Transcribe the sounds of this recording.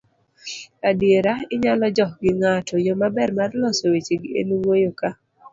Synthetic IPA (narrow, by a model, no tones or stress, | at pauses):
adieɾaɪɲalɔd͡ʒɔɡɪŋatʰɔjomabɛrmarlɔsowet͡ʃiɡḛnuwwojoka